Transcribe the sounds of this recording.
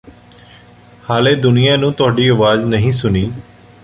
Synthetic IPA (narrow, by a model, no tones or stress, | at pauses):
haːleːd̪ʊnɪjãːnũːt̪ʊaːɖiːəʋaːznəɦĩːsʊniː